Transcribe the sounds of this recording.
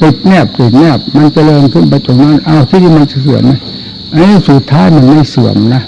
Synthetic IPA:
pi˨˩t̪̚nɛ˧˩p̚pi˨˩t̪̚nɛ˧˥˩p̚ma˧nt͡ɕa˧lɤː˧ŋkʰɯ˧˥˩npa˧jt̪o˧˦ŋna˦˧˥nʔa˧˩wt̪ʰiː˧˨t̪ʰiː˧ma˧nt͡ɕa˨sɯ˨˩əmna˧˩˨ | ʔa˧niː˥˩˨su˨˩t̪ʰːaː˦˥jma˧˩˨nma˧˥˩jsu˨˩əmna˧˩

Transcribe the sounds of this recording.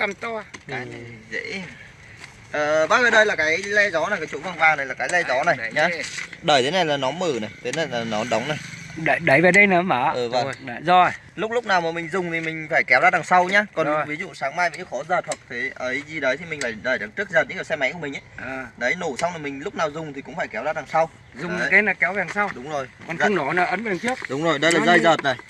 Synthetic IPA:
ka˧˩mt̪oː˧˨˦ | zḛ˧˥ | ʔəː˨˩ɓaː˦˥ŋɨː˨˩ɗəː˧˩jlaː˨˩kaː˨˦jlɛ˧zɔ˨˦na˨˩jkaː˨˦jt͡ɕo̰˧˥˦və˨˩ŋɓaː˨˩na˨˩jlaː˨˩kaː˨˦lɛ˧zɔ˨˦na˨˩jɲaː˨˦ɗəː˧˩jt̪ʰe˨˦na˨˩jlaː˨˩nɔ˨˦nmɨː˧˩na˨˩jt̪ʰe˨˦na˨˩jlaː˨˩nɔ˨˦ɗə˨˦wŋ͡mna˨˩jɗə˨˧˩ɗə˨˦jva˨˩ɗə˧˦nə˨˦mə˨˦ʔɨ˨˩və̰˧˩˨zɔ˧˩ | lʊ˦˥k͡p̚lʊ˦˥k͡p̚naː˨˩wmaː˨˩mï˨˩ŋ̟zʊ˨˩ŋ͡mt̪ʰi˨˩m˩ŋ̟faː˧˩jkɛ˨˦wzaː˧ɗ̪aː˨˩ŋsa˧wɲaː˧kɔ˨˩nnvi˨˦zṵ˧˨saː˨˦ŋmaː˧jvə̰˨˧˥ŋkxɔ˨˦zəː˨˩t̚hwa˨˩k̚t̪ʰe˨˦ʔəː˨˦jzi˨˧˩ɗəː˨˦jt̪ʰi˨˩mï̟˨˩faː˧˩jɗəː˧˩jɗə˨˩k̚t͡ɕɨ˦˥k̚zəː˨t̚ɨ̰˧˥kiː˧˩wsɛ˧ma̰˧˥ŋku˧˩mï˨˩ŋʔəː˨˦˨ɗə˨˦jno˧˩sa˧wna˨˩mï˨˩ŋ̟lʊ˦˥k͡p̚naː˨˩wzʊ˨˩ŋ͡mt̪ʰi˨˩kʊ̰˧˥ŋ͡mfaː˧˩jkɛ˨˦wzaː˨˧˩laː˨˩ŋsa˧w | zʊ˨˩ŋ͡mɨ˨˦ke˨˦naː˨˩kɛ˨˦wa˨˩˨sa˧wɗʊ˨˦ŋ͡mzo˨˩jkɔ˨n˧nɔ˨˧˩naː˨˧˩ʔə˨˦nɨ˨ŋt̪ʰi˦˥ək̚ɗʊ˨˦ŋ͡mzo˨˩jɗə˧jlaː˨˧˩zəː˧jzəː˨˩t̚na˨˩j

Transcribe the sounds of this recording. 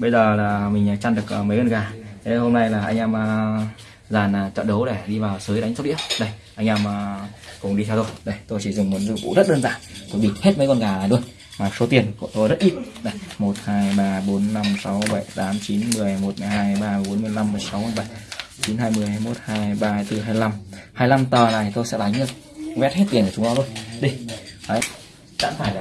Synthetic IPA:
ɓə˧jzəː˨˩laː˨˩mï˨˩ŋ̟ː˨˩t͡ɕaː˧nɗɨ˨˩ək̚ːmə˨˦jɣə˧˩nɣaː˨˩t̪e˨˦ho˧mna˧jlaː˨˩ʔa˧ŋ̟ʔaː˧mə˧ | zaː˨˩na˨˩t͡ɕɔ̰˧˨nɗə˨˦wɗe˧˩ɗi˧vaː˨˩wsɨ˨˦jɗa˨˦ŋ̟so˦˥ɗḭ˧˥əɗə˧jʔa˧jŋ̟ʔaː˧mə˨˩kʊ̰˧˩ŋ͡mɗi˧ɛ˧wt̪o˧jɗə˧˩jt̪o˧jt͡ɕi˧˩zʊ˨˩ŋ͡mmu˨˦nzɨ˧˩kṵ˧˥˩zə˦˥t̚ɗəː˧nza̰ː˧˨nt̪o˧jɓḭ˧˩he˦˥t̚mə˨˦jkɔ˧nkaː˨˩a˨˩ɗu˧ən | maː˨˩so˨˦t̪i˨˩ənku˧˩ət̪o˧jzə˦˥t̚ʔi˦˥t̚na˨˧˩jmo˨˩t̚haː˧jɓaː˧ɓo˨˦nːa˧msa˨˦wɓə˧˩jt̪aː˨˦mt͡ɕi˨˦nmɨ˨˩əjmo˨˩t̚mɨ˨˩əjɦaː˧jɓaː˧˨˩ɓo˨˦nmɨ˧˩əjla˧mːɨ˨˩əjsa˨˦wjɓə˧˩jt͡ɕi˨˦nɦaː˧jmɨ˨˩əhaː˧jmo˦˥t̚haː˧jɓaː˧t̪ɨ˧˩ɦaː˧jla˧mhaː˧jla˧mt̪əː˨˩naː˨˩˨t̪o˧jsɛ̰˧˥la˨˦jŋ̟ɗɨ˨˩ək̚ | vɛ˦˥t̚he˦˥t̪̚i˨˩ənkə˨˩ʊ˨˦ɔ˧u˧ənɗi˧˩hə˨˦ | za̰ː˧˥nfaː˧˩j

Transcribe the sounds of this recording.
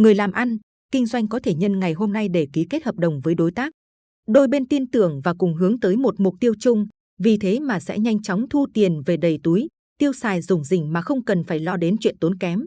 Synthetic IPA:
ŋɨ˨˩əjlaː˨˩mʔa˧n | kï˧ŋ̟zwa˧jŋ̟kɔ˨˦t̪ʰe˧˩ɲə˧nŋa˨˩jɦo˧mna˧jɗe˧˩ki˨˦ke˦˥t̚həː˨˩p̚ɗə˨˩wŋ͡mvəː˨˦jɗo˨˦jt̪aː˦˥k̚ | ɗo˧jɓe˧nt̪i˧ənt̪ɨ˨˩əŋvaː˨˩kʊ˨˩ŋ͡mɦɨ˨˦əŋt̪əː˨˦jmo˨˩t̚mʊ˨˩k͡p̚t̪i˧əwt͡ɕʊ˧ŋ͡m | vi˨˩t̪ʰe˨˦maː˨˩sɛ̰˧˥ɲa˧jŋ̟t͡ɕɔ˨˦wŋ͡mt̪ʰu˧t̪i˨˩ənve˨˩ɗə˨˩jt̪u˨˦j | t̪i˧əwsaː˧˩jzʊ˨˩ŋ͡mzï˨˩ŋ̟maː˨˩xə˧wŋ͡mkə˨˩nfaː˧˩jlɔ˧ɗe˨˦nt͡ɕwḭ˧˨ənt̪o˨˦nkɛ˨˦m

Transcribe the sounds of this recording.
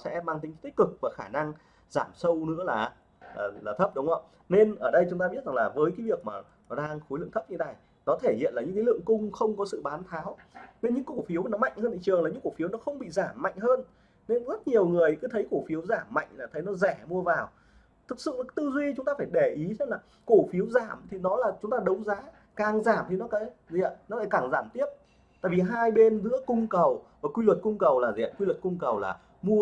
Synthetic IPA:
sɛ̰˧˥maː˧ŋt̪i˨˦t̪i˦˥k̚kɨ˨˩k̚vaː˨˩xaː˧˩na˧ŋ | zaː˧˩msə˧wnɨ̰˧˥əlaː˨˩ | la̰ː˨˩laː˨˩t̪ʰə˦˥p̚ɗʊ˨˦ŋ͡mə̰˧˩ | ne˧nʔəː˧˩ɗə˧jt͡ɕʊ˨˦ŋ͡mt̪aː˧i˦˥t̚za˨˩ŋlaː˨˩vəː˨˦jkaː˨˦jvi˨˩ək̚maː˨˩ | nɔ˨˦ɗaː˧ŋxo˨˦jlɨ̰˧˨ŋt̪ʰə˦˥p̚ɲɨ˧ɗa˨˩j | nɔ˨˦t̪ʰe˧˩hḭ˧˨ənlaː˨˩ɲɨ̰˧˥kːa˨˦lɨ̰˧˨əŋkʊ˧ŋ͡mxə˧wŋ͡mkɔ˨˦sɨ̰˧˨ɓaː˨˦nt̪ʰaː˨˦wne˧nɲɨ̰˧˥ŋkko˧˩fi˨˦əwnɔ˨˦ma̰˧˨jŋ̟həː˧nḭ˧˨t͡ɕɨ˨˩əŋlaː˨˩ɲɨ̰˧˥kːu˧˩fi˨˦wnɔ˨˦xə˧wŋ͡mɓḭ˧˨zaː˧˩mːa̰˧˨jŋ̟ɦəː˧n | ne˧nzə˦˥t̚ɲi˨˩əwŋɨ˨˩əjkɨː˨˦t̪ʰə˨˦jko˧˩fi˨˦əwzaː˧˩mːa̰˧˨jŋ̟laː˨˩t̪ʰə˨˦jnɔ˨˦zɛ˧˩mu˧əvaː˨˩w | t̪ʰɨ˨˩k̚sɨ̰˧˨a˨˦t̪ɨ˧zwi˧t͡ɕʊ˨˦ŋ͡mt̪aː˧faː˧˩jɗe˧˩ʔi˨˦zə˧˦laː˨˩ | ko˧˩fi˨˦əwzaː˧˩mt̪ʰi˨˩nɔ˨˦laː˨˩t͡ɕʊ˨˦ŋ͡mt̪aː˧ɗə˨˦wŋ͡mzaː˨˦ | kaː˨˩ŋzaː˧˩mt̪ʰi˨˩nɔ˨˦kaː˧˥˦zi˧˨ə̰˧˨nɔ˨˦laː˧˩kaː˨˩ŋzaː˧˩mt̪i˦˥əp̚ | t̪a̰ː˧˨jvi˨˩ɦaː˧jɓe˧nzɨ̰˧˥əkʊ˧ŋ͡mkə˨˩wvaː˨˩kwi˧lwə˨˩t̚kʊ˧ŋ͡mkə˨˩wlaː˨˩zḭ˧˨ə̰˧˨˩kwi˧lwə˨˩t̚kʊ˧ŋ͡mkə˨˩wla̰ː˨˩ | mu˧ə

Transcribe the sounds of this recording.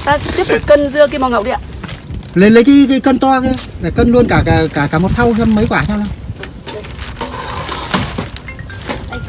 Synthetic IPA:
t̪aː˧t̪i˦˥əp̪̚ʊ˨˩p̚kə˧nzɨ˧əki˨˦ma˨˩ŋə̰˧˨wɗi˧ʔa̰˧˨le˨˩nlə˨˦jk̬a˨˦ka˨˦jkə˧nt̪waː˧kɛ˨˦la˨˩kə˧nlu˧ənkaː˧˩kaː˧˩kaː˧˩kaː˧˩mo˨˩t̚t̪ʰa˧wsɛ˧mːə˨˦jkwaː˧˩t͡ɕaː˧wa˧

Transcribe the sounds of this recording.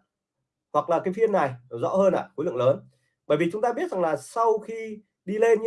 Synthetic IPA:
hwa˨˩k̚laː˨˩kaː˨˦jfi˧ənːa˨˩jzɔ̰˧˥həː˧nʔa̰ː˧˨xo˨˦jlɨ̰˧˨ləː˨˦n | ɓəː˧˩jvi˨˩t͡ɕʊ˨˦ŋ͡mt̪aː˧ɓi˦˥ət̚za˨˩ŋlaː˨˩sa˧wxi˧ | ɗi˧le˧nɲ

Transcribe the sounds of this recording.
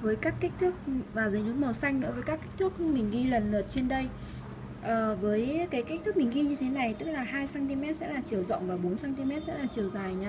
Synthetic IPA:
vəː˨˦jkaː˦˥kːï˦˥k̟̚t̪ʰɨ˦˥k̚vaː˨˩zə˨˦jlu˨˦mɔ˨˩sa˧jŋnɨ̰˧˥vəː˨˦jkaː˦˥kːi˦˥k̟̚t̪ɨ˦˥k̚mï˨˩ŋ̟ɣi˧lə˨˩nləː˨˩t̚t͡ɕe˧nɗə˧j | ʔəː˨˩vəː˨˦jkaː˨˦jki˦˥k̚t̪ʰɨ˦˥k̚mï˨˩ŋ̟ɣi˧ɲɨ˧t̪ʰe˨˦na˨˩jt̪ɨ˦˥k̚laː˨˩ɦaː˧jsaː˧ŋt̪i˧mɛ˦˥t̚sɛ̰˧˥laː˨˩t͡ɕi˨˩əwzɔ̰˧˨wŋ͡mvaː˨˩ɓo˨˦nsaː˧ŋt̪i˧mɛ˦˥t̚sɛ̰˧˥laː˨˩t͡ɕi˨˩əwzaː˨˩jɲaː˧

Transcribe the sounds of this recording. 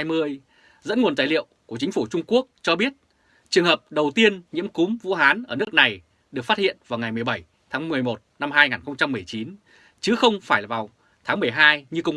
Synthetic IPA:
jmɨ˧əj | zə̰˧˥nŋu˨˩ənt̪aː˧˨jlḭ˧˨əwku˧˩t͡ɕï˨˦ŋ̟fu˧˩t͡ɕʊ˧ŋ͡mku˦˥ək̚t͡ɕɔ˧ɓi˦˥ət̚ | t͡ɕɨ˨˩əŋɦəː˨˩p̚ɗə˨˩wt̪i˧ənɲḭ˧˥əmkʊ˨˦ŋ͡mvṵ˧˥ɦaː˨˦nʔəː˧˩nɨ˦˥ək̚na˨˩j | ɗɨ˨˩ək̚faː˦˥t̚hḭ˧˨ənvaː˨˩wŋa˨˩jmɨ˨˩əjɓə˧˩j | t̪ʰaː˨˦ŋmɨ˨˩əjmo˨˩t̚na˧mɦaː˧jŋaː˨˩nxə˧wŋ͡mt͡ɕa˧mːɨ˨˩əjt͡ɕi˨˦n | t͡ɕɨ˨˦xə˧wŋ͡mfaː˧˩jlaː˨˩vaː˨˩w | t̪ʰaː˨˦ŋmɨ˨˩əjɦaː˧jɲɨ˧kʊ˧ŋ͡m

